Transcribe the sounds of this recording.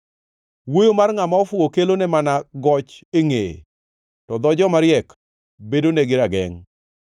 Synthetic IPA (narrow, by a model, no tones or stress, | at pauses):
wojomarŋamaɔfʊokelonɛmanaɡɔt͡ʃeŋḛ | tɔd̪ɔd͡ʒɔmaɾjɛk | bedoneɡɪɾaɡɛŋ